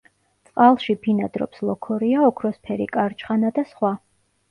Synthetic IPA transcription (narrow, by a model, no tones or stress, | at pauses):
t̪sʼqʼalˠʃipʰinad̪ɾɔ̰pslˠɔkʰɔɾiaɔkʰɾɔspʰɛɾḭkʼaɾt͡ʃʰʼχanad̪asχwa